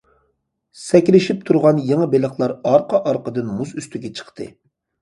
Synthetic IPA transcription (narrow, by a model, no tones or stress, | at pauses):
sɛkʲlɪʃip̚t̪ʰuɾʁɑnjeŋəbelˠəχlˠɑɾɑɾqɑʔɑɾqəd̪ɨnmusyst̪yɡʲɛt͡ʃʰə̥χt̪ʰɨ̰